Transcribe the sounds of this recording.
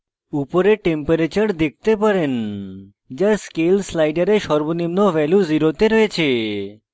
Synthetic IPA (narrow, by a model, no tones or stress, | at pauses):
upoɾeʈempəɾet͡ɕəɾd̪ek̚ʰt̪epəɾen | d͡ʒaskelslajɖəɾeʃɔɾbonimnoʋɛljuziɾot̪eɾɔet͡ʃʰe